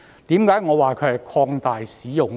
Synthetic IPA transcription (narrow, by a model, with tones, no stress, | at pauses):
t̪iː˨˥mkaː˨˥jŋɔː˨˧waː˨kʰɵ˨˧ɥhɐ˨˩jkʰɔː˧ŋt̪aː˨jsiː˨˥jʊ˨˩ŋ